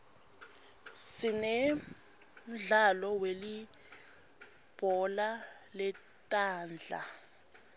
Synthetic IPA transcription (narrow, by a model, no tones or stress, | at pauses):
sinɛ | mɮalɔweli | b̥ʱɔla | lɛ | tʼaːnd͡ɮʱa̰